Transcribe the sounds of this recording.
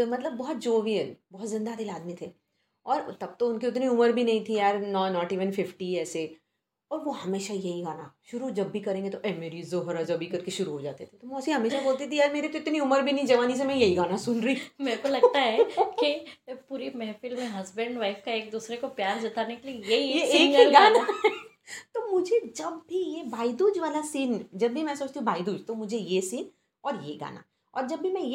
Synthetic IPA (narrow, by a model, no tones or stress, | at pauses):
mɐt̪ləbːɔɦɔt̪̚d͡ʒoːʋijəlbɔɦt̪zɪ̃nd̪ad̪eːlaːd̪mit̪ʰeː | ɔːɾt̪ɐb̚t̪oʊnkiʊt̪niʊməɾbʱinɐɦĩt̪ʰiaːɾnɔːnɔːʈiːʋənfɪfʈiɛːse | ɔːɾʋohɐmeːʃajɐɦiɡaːnaʃʊɾud͡ʒɐbːʱikɐɾẽːŋɡet̪oʔɛmeɾizoɦɾɐzobʱikɐɾkeʃʊɾuɦod͡ʒa̰ːt̪et̪ʰet̪omɔːsiɦɐmeːʃaboːlt̪̬it̪ʰiaːɾmeːɾet̪oɪt̪niʊməɾbʱinɐɦĩd͡ʒɐʋaːnis̬emɛ̃jɐɦiɡaːnasʊnɾɐiːmeːɾkolɐɡt̪aɦɛkipuːɾimɛːfɪlmẽɦɐzbə̃ɳɖʋaːɪfkaeːk̚d̪uːsɾekopjaːɾd͡ʒ̪ɪt̪aːnekeliejeijeːkiɡaːna | t̪omʊd͡ʒʱed͡ʒɐbːijebaːid̪uːd͡ʒʋaːlasiːnd͡ʒɐbːʱimɛ̃sɐːt͡ʃt̪ĩbaːid̪uːd͡ʒt̪omʊd͡ʒʱejesiːn | ɔːɾjeɡa̰ːna̰ | ɔ̰ːɾd͡ʒɐbːimɛ̃j